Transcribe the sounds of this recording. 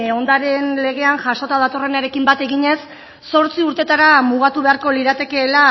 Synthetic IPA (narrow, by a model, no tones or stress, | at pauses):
o̞nd̪aɾe̞nle̞ɣ̞e̞anʝaʃo̞t̪að̞at̪o̞re̞naɾe̞kimbat̪e̞ɣiɲe̞sː | o̞ɾt͡siuɾt̪e̞t̪aɾamuɣ̞at̪uβe̞aɾko̞liɾat̪e̞ke̞ːla